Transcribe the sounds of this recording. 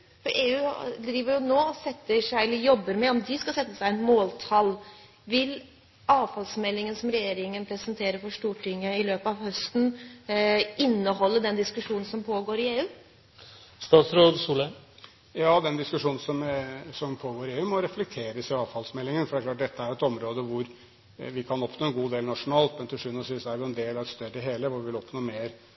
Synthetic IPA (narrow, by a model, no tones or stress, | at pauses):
fɔɾʔeːʉːd̪ɾiːʋəɾjʊnoːɔsɛt̪ːəʂæɪɛlːəɾjɔbːəɾmɛɔmd̪ɪskɑlsɛt̪ːəsæɪɛnmoːlt̪ʰɑlː | ʋɪl | ɑːʋfɑlsmɛlːɪŋənsɔmɾɛjeːɾɪŋənpʰɾɛsənt̪ʰeːɾəɾfɔʂʈuːʈʰɪŋːəɪløːpɑʋhœst̪n̩ | ʔɪnːəhɔlːəd̪ɛnd̪ɪskʉʂuːnn̩sɔmpʰoːɡoːɾɪeːʉː | st̪ɑːt̪sɾoːd̪suːlə | jɑːd̪ɛnd̪ɪskʉʂuːnn̩sɔmsɔmpʰoːɡoːɾɪeːʉːmɔɾɛflɛk̚t̪ʰeːɾəsɪɑːʋfɑlsmɛlːɪŋənfɔɾɖ̪ækʰlɑːʈ̚d̪ɛt̪ʰːəæɾʊɛt̪ɔmɾoːd̪əʋʊɾ | ʋɪkʰɑnɔpnoːɛnɡuːd̪eːlnɑʂʊnɑːlt̪mɛnt̪ʰɪʂʉt̪nɔsʋiːsd̪æɾjʊɛnd̪eːlɑʋɛt̪st̪œɾɪɦeːləʋʊɾʋɪʋɪlɔpnoːmeːɾ